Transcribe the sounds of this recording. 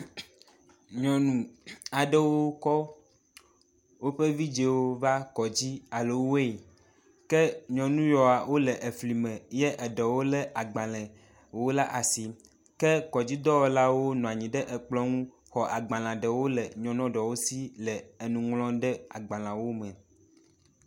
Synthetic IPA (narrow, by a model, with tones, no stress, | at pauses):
ɲɔ̃˨nũ˨a˨ɖɛ˦wo˦kɔ˦ | wo˦ɸe˦vi˦d͡ʒe˨wo˦va˦kɔ˨d͡ʑi˦a˨le˨wo˦e˦˨ | kɛ˦ɲɔ̃˨nũ˦jɔ˨a˨wo˦lɛ˨ʔe˨fli˨mɛ̃˨jɛ˦ʔɛ˨ɖɛ˨wo˦lɛ˦ʔa˨ɡ͡bã˨lɛ̃˨ | wo˦la˦ʔa˨si˨ | kɛ˦kɔ˨d͡ʑi˦d̪ɔ˦wɔ˨la˦wo˦nɔ̃˨a˨ɲĩ˨ɖɛ˦ʔɛ˨k͡plɔ˦ŋũ˦ | xɔ˨ʔa˨ɡ͡bã˨l̃ã˨ɖɛ˨wo˦lɛ˨ɲɔ̃˨nɔ̃˦ɖɔ˨wo˦si˦lɛ˨e˨nũ˨ŋlɔ̃˦ɖɛ˦a˨ɡ͡bã˨lã˨wo˦mɛ̃˨